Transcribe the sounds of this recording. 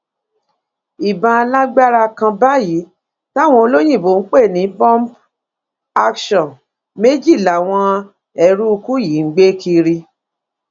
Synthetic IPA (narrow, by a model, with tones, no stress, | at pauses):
i˨bã˨˧a˧la˦ɡ͡ba˦ɾa˧kã˧ba˦ji˨˦ | ta˦˨w̃ɔ̃˧o˧lo˦j̃ĩ˦˨bo˨˦n̩˦k͡pe˦˨nĩ˨˦bɔ̃˦mp | a˦kʃɔ̃˨n | me˦d͡ʒi˦˨la˨w̃ɔ̃˧ | ɛ˨ɾu˦u˧ku˦ji˨˦ŋ̩˨˦ɡ͡be˦kʰi˧ɾi˧